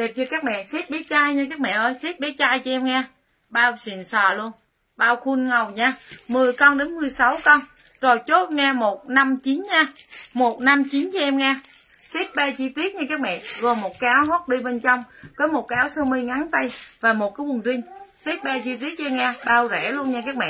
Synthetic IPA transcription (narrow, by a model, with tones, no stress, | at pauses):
ɗe˨˩p̚t͡ɕɔ˧kaː˦˥k̚mɛ̰˧˨si˦˥t̚ɓi˨˦t͡ɕaː˧jɲɨ˧kaː˦˥k̚mɛ̰˧˨ʔəː˧jsi˦˥t̚ɓi˨˦t͡ɕaː˧jt͡ɕɔ˧ʔɛ˧mŋaː˧ | ɓaː˧wsḭ˨˩nsəː˨˩lu˧ən | ɓaː˧wxu˧nŋə˨˩wɲaː˧mɨ˨˩əjkɔ˧nɗe˨˦nmɨ˨˩əjsa˨˦wkɔ˧n | zo˨˩jt͡ɕo˦˥t̚ŋaː˧mo˨˩t̚na˧mt͡ɕi˨˦nɲaː˧mo˨˩t̚na˧mt͡ɕi˨˦nt͡ɕɔ˧ʔɛ˧mŋaː˧ | si˦˥t̚ɓɛ˧t͡ɕi˧t̪i˦˥ət̚ɲa˧kaː˦˥k̚mɛ̰˧˨ɣo˨˩jmo˨˩t̚kaː˨˦wɦo˦˥t̚ɗi˧ɓe˧nt͡ɕɔ˧wŋ͡mkɔː˨˦mo˨˩t̚kaː˨˦wsəː˧mɨ˧jŋa˨˦nt̪ə˧jvaː˨˩mo˨˩t̚kaː˨˦wɨ˨˩əŋzï˧ŋ̟si˦˥t̚ɓɛ˧t͡ɕi˧t̪̬i˦˥ət̚t͡ɕːmŋaː˧ɓaː˧wzɛ˧˩lu˧ənɲaː˧kaː˦˥k̚mɛ̰˧˨ʔ